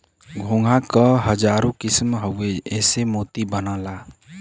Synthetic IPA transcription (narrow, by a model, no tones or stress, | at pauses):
ɡʱõːŋɡʱakəɦəd͡ʒaːɾõkɪsmɦəweɛːsemoːt̪ibənaːla